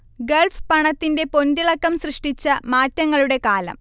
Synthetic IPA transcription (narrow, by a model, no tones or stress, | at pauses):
ɡeɭfpɐɳɐt̪ːinde̞po̞ndiɭɐkːɐmɕrɨʂʈit͡ɕːɐmaːtːɐŋːɐɭuɽe̞kaːlɐ̰m